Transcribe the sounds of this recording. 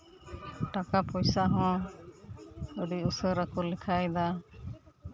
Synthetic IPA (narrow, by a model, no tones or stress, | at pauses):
ʈakapɔjsaɦɔ̃ | əɖiusəɾakɔlɛkʰajd̪a